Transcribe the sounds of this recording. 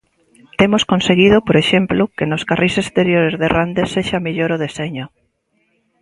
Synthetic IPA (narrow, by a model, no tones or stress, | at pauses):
t̪emoskonseɣið̞ʊpoɾeʃemplʊkenoskarisest̪eɾjoɾezðerand̪esːeʃamiʎoɾoð̞eseɲʊ